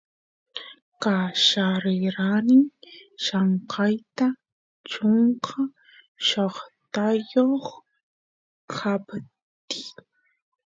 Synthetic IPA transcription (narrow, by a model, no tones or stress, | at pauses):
kaʃaɾɪɾanɪŋʃaɴqʰɑjt̪a | t͡ʃoɴqʰa | ʃoχt̪ajoχ | kʰap | t̪i